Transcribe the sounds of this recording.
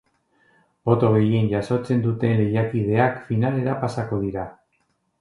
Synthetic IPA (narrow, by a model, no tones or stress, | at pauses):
bo̞t̪o̞ɣ̞e̞jie̞nɟaso̞t͡se̞nd̪ut̪e̞nle̞jakið̞e̞akfinale̞ɾapasako̞ð̞iɾa